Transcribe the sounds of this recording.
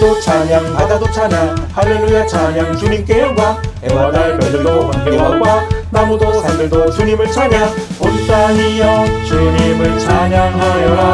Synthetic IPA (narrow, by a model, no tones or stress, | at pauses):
dot͡ɕʰamjaŋhadadot͡ɕʰanahaɭːelujat͡ɕʰaɲjaŋt͡ɕuɲimk͈e̞jʌɡwaemaɡakʌɭdɯɭdohaŋk͈eɦaɡwanamudosaɭdɯɭdot͡ɕuɲimɯɭt͡ɕʰaŋjapont͈aɲijʌt͡ɕuɲimɯɭt͡ɕʰamjaŋɦajʌ